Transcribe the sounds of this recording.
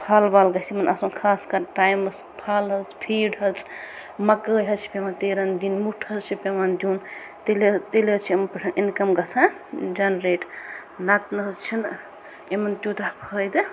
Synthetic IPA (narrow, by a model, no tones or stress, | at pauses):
pʰalbaːlɡɐsimɐnɐsunkʰaːskɐɾʈaːjmɐs | pʰaːlɦɐt͡sʰpʰiːɖɦɐt͡sʰ | mɐkəːjɦɐt͡ʃʰi̥pemant̪eːɾɐnd̪inmuʈʰɐt͡ʃʰipemand̪ʲjuːn | t̪elet̪elet͡ʃʰiɐmɐnpɐʈʰɐnʔinkɐmɡɐt͡sʰãd͡ʒɐnɾeːʈ | nɐt̪nɐɦt͡ʃʰin | emɐnt̪jut̪apʰəjd̪ɨ